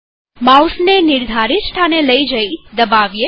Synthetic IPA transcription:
mawsnenɪɾd̪ʱaɾisʈʰaneləid͡ʒəid̪əbaʋje

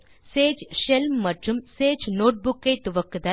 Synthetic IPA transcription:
seːd͡ʒʃɛlmːɐʈrɯmseːd͡ʒnoːʈ̚bʊkːɐɪt̪ʊʋɐkːɯt̪ɐ

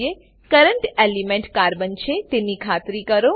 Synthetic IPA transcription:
e | kəɾəɳʈelimẽɳʈkaɾbənt͡ʃʰet̪enikʰat̪ɾikəɾo

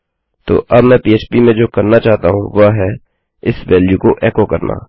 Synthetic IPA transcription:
t̪o̰ːʔɐbmɛ̃ːpiːeːt͡ʃpimẽd͡ʒoːkɐɾnat͡ʃaːɦt̪aɦũʋɐɦɛ | ɪsʋɛːljukoʔɛːkokɐɾna̰ː

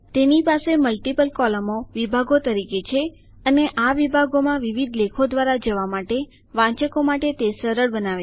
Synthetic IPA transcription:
t̪enipaseməlʈipəlkɔləmoʋibʱaɡot̪əɾiket͡ʃʰe | əneʔaʋibʱaɡomãʋiʋid̪ʱlekʰod̪ʋaɾad͡ʒəʋamaʈe | ʋãt͡ʃəkomaʈet̪esəɾəɭbənaʋe

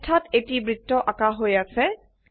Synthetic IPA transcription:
tʰatetibɹitːɔʔakaɦojasɛ

